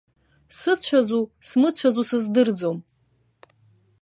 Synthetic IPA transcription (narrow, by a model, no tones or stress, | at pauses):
sɨt͡ɕʷʰazusmɨt͡ɕʷʰazusɨzdɨrd͡zom